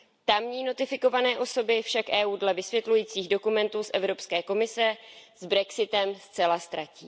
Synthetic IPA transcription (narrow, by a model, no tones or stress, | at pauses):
t̪amɲiːno̞t̪ɪfɪko̞vanɛːʔo̞so̞bɪfʃakʔɛːʔuːdlɛvɪsvjɛt̪lujiːt͡siːɣdo̞kumɛnt̪uːsʔɛ̰vɾo̞pskɛːko̞mɪsɛzbɾɛksɪt̪ɛmst͡sɛlast̪ɾacḭː